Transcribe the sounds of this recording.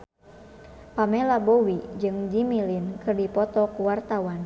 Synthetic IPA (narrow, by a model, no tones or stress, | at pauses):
pamɛlabowid͡ʒɨŋd͡ʒimilinkɨrdipɔt̪ɔkuwart̪awan